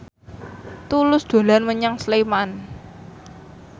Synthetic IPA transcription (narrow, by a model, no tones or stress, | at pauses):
t̪ulʊsd̪̥a̤lanməɲaŋsleman